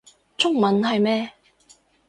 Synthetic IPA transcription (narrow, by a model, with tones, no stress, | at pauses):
t͡ʃʰʊ˥ŋmɐ˨˥nɦɐ˨jmɛː˥